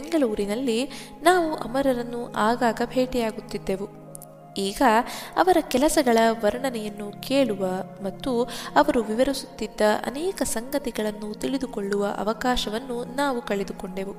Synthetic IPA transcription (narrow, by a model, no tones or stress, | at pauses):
eŋɡɐɭuːɾinɐlːi | naːʋuʔɐ̰mɐɾɐɾɐnːuʔaːɡaːɡɐbʱe̞ːʈijaːɡut̪ːid̪ːe̞ʋu | iːɡɐɐʋɐɾɐkɛlɐsɐɡɐɭɐʋɐɾɳɐnɛjɐnːukeːɭuʋɐmɐt̪ːuɐʋɐɾuʋiʋɐɾisut̪ːid̪ːɐʔɐ̰nɛːkɐsɐŋɡɐt̪iɡɐɭɐnːut̪iɭid̪uko̞ɭːuʋɐʔɐ̰ʋɐkaːʃɐʋɐnːunaːʋukɐɭed̪uko̞ɳɖe̞ʋu